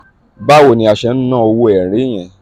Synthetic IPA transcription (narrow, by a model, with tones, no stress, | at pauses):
ba˦wo˦˨nĩ˧a˨ʃɛ˧n̩˦nã˦˨o˧wo˦ɛ˨ɾe˨˦˨j̃ɛ̃˨